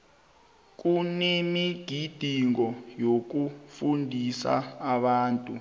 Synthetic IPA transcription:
k̬ʼunemiɡ̥ʱid̥ʱiŋɔjok̬ufundʱisa̰ːɓaːntʼu

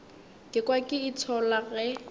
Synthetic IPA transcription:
kʼɪkʼwakʼɪit͡sʰɔlaɣɛ

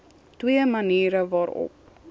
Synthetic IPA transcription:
twiəmɐniːɾəvɑːɾɔ̰p̚

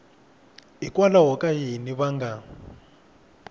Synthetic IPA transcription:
ikwalaɦɔkʼajiniβaŋɡa

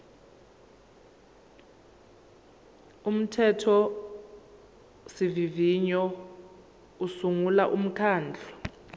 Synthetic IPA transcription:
um̩tʰɛtʰɔ | siviviɲɔ | usuŋula̰ʔum̩kʰaːnd͡ɮʱɔ

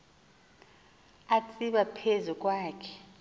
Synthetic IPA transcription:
at͡sʼiɓapʰezuk̬ʼwaːkʰɛ̥

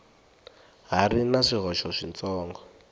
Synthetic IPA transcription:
ɦarinaʂiɦɔʃɔʂint͡sɔːŋɡɔ

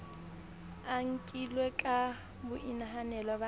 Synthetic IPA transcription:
aŋ̩kʼilwekʼa | bʊʔinaɦanɛlaba

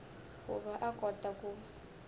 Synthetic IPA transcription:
kṵβaʔakʼɔtʼakʼu

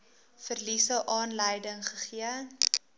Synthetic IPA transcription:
fərlisəʔɑːnləjdəŋχəχiə

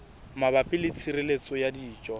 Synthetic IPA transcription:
mabapʼɪlɪt͡sʰirɪlet͡sʼɔjadiːt͡ʃʼɔ

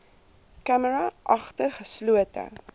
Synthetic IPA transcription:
kæməɾɐʔɐχtərχəsluətə̰

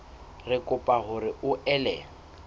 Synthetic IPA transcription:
rɪkʼʊpʼaɦʊɾɪʊʔɛlɛŋ̩

